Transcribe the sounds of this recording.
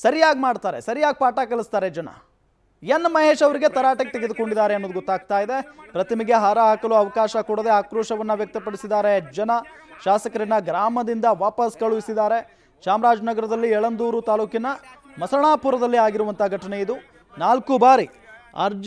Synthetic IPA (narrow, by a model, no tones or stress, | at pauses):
sɐɾijaːɡmaːɖt̪aːɾe̞̰sɐɾijaːɡ̚paːʈakɐlist̪aːɾed͡ʒɐnɐ̰ | jenːmɐɦeːʃɐʋɐɾiɡe̞t̪ɐɾaːʈɐket̪eɡed̪uko̞ɳɖid̪aːɾe̞ɐnːoːd̪uɡɔt̪ːaːɡ̚t̪aːjid̪e̞pɾɐt̪ɐmiɡe̞ɦaːɾɐaːkɐluɐʋɐkaːʃɐkuɽɐd̪eaːkɾuːʃɐʋɐnːɐʋjɐk̚t̪ɐpɐɽisid̪aːɾe̞d͡ʒɐnɐ | ʃaːsɐkɐɾinɐɡɾaːmɐd̪ind̪ɐʋaːpɐskɐɭuʋisid̪aːɾe̞ | ʃaːmɾaːd͡ʒnɐɡɐɾɐd̪ɐlːiɛɭɐnd̪uːɾut̪aːluːkinɐ | mɐsɐɳaːpuɾɐd̪ɐlːiaːɡiɾuʋɐnt̪ɐɡʱɐʈɐne̞id̪u | naːlkubaːɾi | ɐ̰ɾd͡ʒ